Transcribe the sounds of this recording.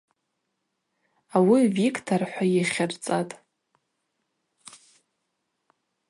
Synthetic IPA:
awivikʰʼtʰarħʷajiχʲart͡sʼatʼ

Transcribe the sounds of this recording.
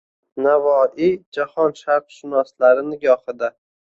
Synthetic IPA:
navɒʔid͡ʒahɒnʃaɾqʃɪnɒslaɾɪnɪɡʲɒhɪd̪a

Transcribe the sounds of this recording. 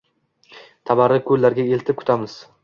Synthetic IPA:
t̪ʰabaɾɪkʰɵlːaɾɡʲae̞lt̪ʰɪp̚kʰʊ̥t̪ʰamɪz̥

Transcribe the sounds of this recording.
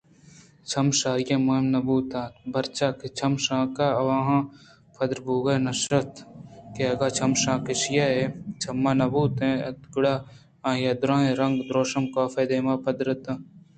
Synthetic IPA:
t͡ʃʰɐmʃaːɾjẽːmʊɦɪmnɐbuːt̪ãːbʱɐɾt͡ʃaːket͡ʃʰɐmʃãːkaɐʋãːɦãː | pʰɐd̪ɾbuːɡɐnɐʃɾɐt̪keɐɡaːt͡ʃʰɐmʃãːkɪʃɪjaːɦet͡ʃʰɐmːaːnɐbuːt̪ẽɐd̪ɡʊɽaː | ãːjɐːd̪ɾãːẽɾɐ̃ŋɡd̪ɾoːʃɐmkaːfeːd̪eːmaːpɐd̪ɾət̪ãː

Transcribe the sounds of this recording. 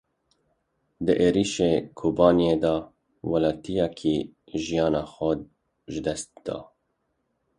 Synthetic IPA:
d̪əʔeːɾiʃekʰoːbɑːnijeːd̪ɑː | wɑlɑːt̪ijɑkʰiʒijɑːnɑːxʷɛ | ʒɨd̪ɛst̪̚d̪̥ɑ̰ː

